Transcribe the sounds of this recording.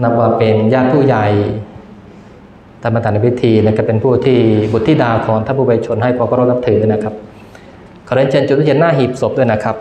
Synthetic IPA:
na˦˥p̚waː˧˩pe˧njaː˥˩t̪̚pʰuː˥˩ja˨˩j | t̪ʰaː˧˩ma˧t̪ʰaː˨˩˦na˧˩pʰi˦˥t̪ʰiː˧na˧˩kaː˥˩pe˧npʰuː˥˩t̪ʰiː˥˩bu˨˩t̪ʰːiː˥˩daː˧wkʰɔː˩˦ŋt̪ʰaː˧˥˩pʰuː˧ba˧t͡ɕʰo˧nɦa˥˩jpʰɔː˧kʰɔː˧˥˩ɾa˥˩na˦˥p̚t̪ʰɯː˩˦na˦˥˩kʰa˦˥p̚ | kʰa˨˩ɾe˧˦nt͡ɕʰaː˧nt͡ɕu˨˩˥nːaː˥˩ɦiː˨˩p̚so˨˩p̚du˥˩˨jna˦˥˩kʰa˦˥p̚

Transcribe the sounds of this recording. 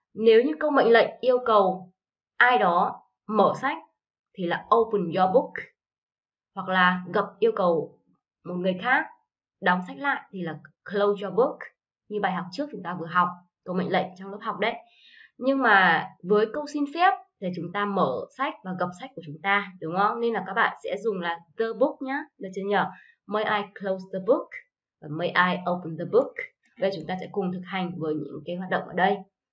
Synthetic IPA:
ne˨˦wɲɨ˧kə˧wmə̰˧˨jŋ̟lə̰˧˨jŋ̟ʔi˧əwkə˨˩w | ʔaː˧jɗɔ˨˦ | məː˧˩sa˦˥jk̟̚ | t̪ʰi˨˩laː˨˩ʔə˧wpə˨˩nzɔ˧ɓu˦˥k | hwa˨˩k̚laː˨˩ɣə˨˩p̚ʔi˧əwkə˨˩w | mo˨˩t̚ŋɨ˨˩əjxaː˦˥k̚ | ɗɔ˨˦wŋ͡msa˦˥k̟̚la̰ː˧˨jʔt̪ʰi˨˩laː˨˩klə˧wt͡ɕɔ˧ɓu˦˥k | ɲɨ˧ɓaː˨˩jɦa˨˩k͡p̚t͡ɕɨ˦˥k̚t͡ɕʊ˨˦ŋ͡mt̪aː˧vɨ˨˩əɦa˨˩wk͡p̚ | kə˧wmə̰˧˨jŋlə̰˧˨ŋ̟t͡ɕɔ˧ŋ͡mlə˦˥p̚hɦa˨˩wk͡p̚ɗə˨˦j | ɲɨ˧ŋmaː˨˩vəː˨˦jkə˧wsi˧nfɛ˦˥əp̚t̪ʰe˨˩t͡ɕʊ˨˦ŋ͡mt̪aː˧məː˧˩sa˦˥jk̚vaː˨˩ɣə˨˩p̚sa˦˥k̚kːu˩ət͡ɕʊ˨˦ŋ͡mt̪aː˧ɗʊ˨˦ŋ͡mə˧ne˧nlaː˨˩kaː˦˥k̚ɓa̰ː˧˨nsɛ̰˧˥zʊ˨˩ŋ͡mlaː˨˩ðəː˧ɓu˦˥k̚ɲaː˨˦ɗə˧˩t͡ɕə˧nɲəː˨˩ | mə˧jʔaː˧jklo˧wsðə˧bu˦˥k̚ | vaː˨˩mə˧jʔaː˧jʔo˧wpə˧˩nðə˧bu˦˥k̚ | ə˨˦ɗə˧˩t͡ɕʊ˨˦ŋ͡mt̪aː˧sɛ̰˧˥kʊ˨˩ŋ͡mt̪ʰɨ˨˩k̚ha˨˩jŋ̟vəː˨˦jɲɨ̰˧˥ŋkaː˨˦jɦwaː˨˩t̚ɗə̰˧˨ŋ͡mʔəː˧˩ɗə˧j

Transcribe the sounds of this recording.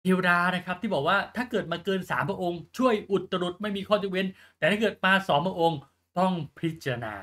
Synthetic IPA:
ʔe˧wɾaː˧na˦˥kʰa˦˥p̚t̪iː˥˩bɔː˨˩k̚waː˥˩t̪ʰaː˥˩kɤː˨˩t̪̚maː˧kɤː˧nsaː˩˦mpʰa˧ʔo˧ŋt͡ɕʰu˥˩əjʔu˨˩t̪̚ːa˧ɾu˨˩t̪̚ma˥˩jmiː˧kʰɔː˥˩t͡ɕu˨˩we˧n | t̪ɛː˨˩t̪ʰaː˥˩kːɤː˨˩t̪̚maː˧sɔː˩˦mpʰa˧ʔo˧ŋ | t̪ɔ˥˩ŋpʰi˦˥t̪̚t͡ɕa˧na̰ː˧

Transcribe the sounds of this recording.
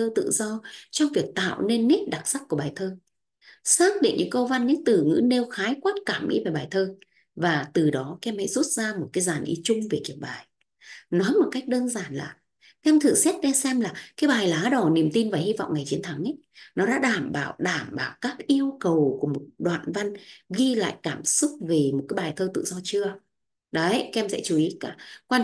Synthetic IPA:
əː˧t̪ɨ̰˧˨zɔ˧t͡ɕɔ˧wŋ͡mvi˨˩ək̚t̪a̰ː˧˨wne˧nːi˦˥t̚ɗa˨˩t̚sa˦˥k̚ːu˧˩əɓaː˨˩jt̪ʰəː˧ | saː˦˥k̚ɗḭ˧˨ŋ̟ɲʔɨ̰˧˥ŋkə˧wva˧nɲɨ̰˧˥ŋt̪ɨ˨˩ŋɨ̰˧˥ne˧wxaː˨˦jkwaː˦˥t̚kaː˧˩mʔḭ˧˦va˨˩ɓaː˨˩jt̪ʰəː˧ | vaː˨˩t̪ɨ˨˩ɗɔ˨˦kɛ˧mhɛ̰˧˥jzu˦˥t̚zaː˧mo˨˩t̚kaː˨˦jzaː˨˩nʔḭ˨˦t͡ɕʊ˧ŋ͡mve˨˩ki˨˧˩əp̚ɓaː˨˩j | nɔ˨˦jmo˨˩t̚ka˦˥jk̚ɗəː˧nzaː˨˩nla̰ː˨˩ | kːʔɛ˧mt̪ʰɨ̰˧˨sɛ˦˥t̚ɗɛ˧sɛ˧mlaː˨˩kaː˨˦jɓaː˨˩jlaː˨˦ɗə˨˩ni˨˩əmt̪i˧nvaː˨˩hi˧v̰ŋ͡mŋa˨˩jt͡ɕi˨˦ənt̪ʰa˨˦ŋʔə˨˦j | nɔ˨˦ɗa̰ː˧˥ɗaː˧˩mɓa̰ː˧˩˨wɗaː˧˩mɓaː˧˨wkaː˦˥k̚ʔi˧əwkə˨˩wku˧˩əmo˨˩t̚ɗwa̰ː˧˨nva˧nɣi˧la̰ː˧˨jkaː˧˩msʊ˦˥k͡p̚ve˨˩mo˨˩t̚kaː˨˦jɓaː˨˩jt̪ʰəː˧t̪ɨ̰˧˨zɔ˧t͡ɕɨ˧ə | ɗə˨˦kɛ˧msɛ̰˧˥t͡ɕu˨˩ʔi˨˦kaː˧˩kwa˧

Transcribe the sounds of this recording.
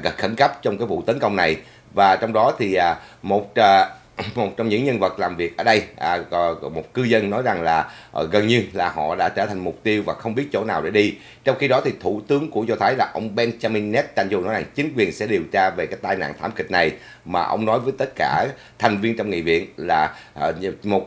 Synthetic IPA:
ɣə˨˩txə˧˩nkə˦˥p̚t͡ɕɔ˧ŋ͡mkaː˨˦jvṵ˧˨t̪ə˨˦nkə˧wŋ͡mna˨˩j | vaː˨˩t͡ɕɔ˧wŋ͡mɗɔ˨˦t̪ʰi˨˩ʔːmo˨˩t̚ː | mo˨˩t̚t͡ɕɔ˧wŋ͡mɲɨ̰˧˥ŋɲə˧nvə˨˩t̚laː˨˩mvi˨˩ək̚ʔəː˧˩ɗə˧jʔmo˨˩t̚kɨ˧zə˧nːɔ˨˦jza˨˩ŋlaː˨˩ | ɣə˨˩nɲɨ˧laː˨˩hɔ̰˧˨ɗa̰ː˧˥t͡ɕəː˧˩t̪ʰa˨˩ŋ̟mʊ˨˩k͡p̚t̪i˧əwvaː˨˩xə˧wŋ͡mɓi˦˥ət̚t͡ɕo̰˧˥˩naː˨˩wɗe˧˩ɗi˧ | t͡ɕɔ˧wŋ͡mxi˧ɗɔ˨˦t̪ʰi˨˩t̪ʰu˧˩t̪ɨ˨˦əŋku˧˩əzɔ˧t̪ʰaː˨˦jlaː˨˩ʔə˧wŋ͡mɓɛ˧nt͡ɕaː˧mi˧ŋnɛ˦˥t̚t͡ɕa˧jŋ̟znɔ˨˦jza˨˩ŋt͡ɕï˨˦ŋ̟kwi˨˩ənsɛ̰˧˥ɗi˨˩əwt͡ɕaː˧ve˨˩kaː˨˦jt̪aː˧jna̰ː˧˨nt̪ʰaː˧˩mkï˨˩k̟̚na˨˩j | maː˨˩ʔə˧wŋ͡mnɔ˨˦jvəː˨˦jt̪ə˦˥t̚kaː˧˩ | t̪ʰa˨˩jŋ̟vi˧ənt͡ɕɔ˧ŋ͡mŋḭ˧˨vḭ˧˨ənlaː˨˩˨ | mo˨˩t̚

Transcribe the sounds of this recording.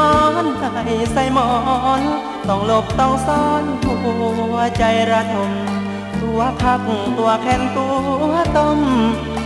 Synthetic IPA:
ɔ˧nha˧˩jsa˧˩jmɔː˧n | t̪ɔ˧˩ŋlo˧˩p̚t̪ɔː˧˩ŋsɔː˧nku˧ɐ˧t͡ɕa˧jɾa˧t̪ʰo˧m | ɾu˧˦əpʰa˧˩k̚ŋ˨˩t̪u˧ɐkʰɛː˧˥˨nt̪u˧˦ɐt̪o˧m

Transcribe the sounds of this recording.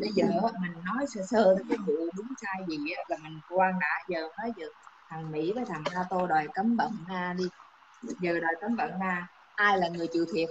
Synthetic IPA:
ɓə˨˧jzəː˨˩ʔmï˨˩ŋ̟nɔ˨˦jsɛ̰˧˥səː˧˩t̪ʰə˧˩kaː˨˦jmṵ˧˨əɗʊ˨˦ŋ͡msaː˧jzi˨˩ʔaː˨˦vaː˨˩mi˨˩ŋ̟kwaː˧ŋɗa̰ː˧˥zəː˨˩nɔ˨˦jzɨː˨˩t̪ʰa˨˩ŋmḭ˧˥vəː˨˦jt̪ʰa˨˩ŋnaː˧t̪o˧ɗɔ˨˩jkə˨˦mɓə̰˧˨nnaː˧ɗi˧ | zəː˨˩ɗɔ˨˩jkə˨˦mɓə̰˧˨nnaː˧ | ʔaː˧jlaː˨˩ŋɨ˨˩əjt͡ɕḭ˧˨wt̪ʰḭ˨˩ət̚

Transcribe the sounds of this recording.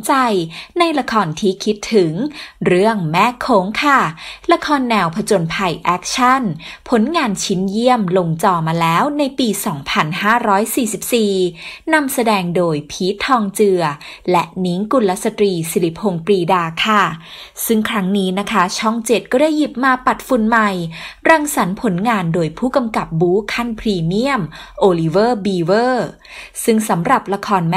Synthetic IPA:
t͡ɕa˧jna˧jla˧kʰɔː˧nt̪ʰiː˥˩kʰi˦˥t̪ʰːɯ˨˩˦ŋɾɯ˥˩əŋmɛː˥˩kʰoː˨˦ŋkʰa˥˩la˧kʰɔː˧nːɛː˧wpʰa˧t͡ɕo˧npʰa˧jʔɛː˦˥k̚t͡ɕʰa˥˩npʰo˩˦nŋaː˧nt͡ɕʰi˦˥nji˥˩əmlo˧ŋt͡ɕɔː˧maː˧lɛː˦˥wna˧jpiː˧sɔː˩˦ŋpʰa˧nhaː˥˩ɾɔː˦˥jsiː˨˩si˨˩p̚siː˨˩na˧msa˧dɛː˧ŋdoː˧jpʰiː˦˥t̪ʰɔː˧ŋt͡ɕɯ˧ɐ | lɛ˦˥ʔni˦˥ŋku˧nla˦˥sa˧t̪ɾiː˧si˨˦li˦˥pʰoː˧ŋpɾiː˧daː˧kʰa˥˩ | sɯ˥˩ŋkʰɾa˦˥ŋniː˦˥na˦˥kʰa˦˥t͡ɕʰɔ˥˩ŋt͡ɕe˨˩t̪̚kɔː˥˩da˥˩jːi˨˩p̚maː˧pa˨˩t̪̚fu˧nma˨˩jɾa˧ŋsa˩˦npʰo˨˩˦nŋaː˧ndoː˧jpʰuː˥˩ka˧mka˨˩p̚buː˦˥kʰa˥˩npʰɾiː˧mi˥˩əmʔoː˧liː˧˥wɤː˥˩biː˧wɤː˥˩ | sɯ˥˩ŋsa˩˦mɾa˨˩p̚la˧kʰɔː˧nm˦˥

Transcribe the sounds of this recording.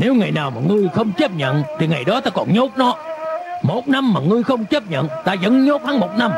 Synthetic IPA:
ne˨˦wŋa˨˩jnaː˨˩wmaː˨˩ŋɨ˧əjxə˧wŋ͡mt͡ɕə˦˥p̚ɲə̰˧˨nt̪ʰi˨˩ŋa˨˩jɗɔ˨˦t̪aː˧kɔ˨˩nɲo˦˥t̚nɔ˨˦mo˨˩t̚na˧mːaː˨˩ŋɨ˧əjxə˧wŋ͡mt͡ɕə˦˥p̚ɲə̰˧˨nt̪aː˧zə̰˧˥nɲo˦˥t̚haː˨˦ŋmo˨˩t̚na˧m

